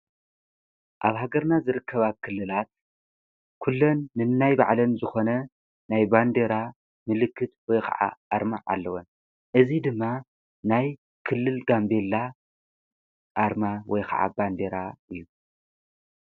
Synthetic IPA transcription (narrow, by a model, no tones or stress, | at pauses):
ʔa̰βhaɡɐɾnazɨɾɨkʰːɐβakʰɨlːɨlat̪̚ | kʰulːonːɨnːajba̰ʕlɐnzɨxo̞nɐ | najband̪eɾa | mɨlɨkːɨt̪wɔjkʰa̰ʕa̰ʔaɾmaʕa̰lːɐwon | ʔɨzid̪ɨmːa | naj | kʰɨlːɨlɡambe̞lːa | ʔaɾmawɔjkʰa̰ʕa̰band̪e̞ɾaɨjːu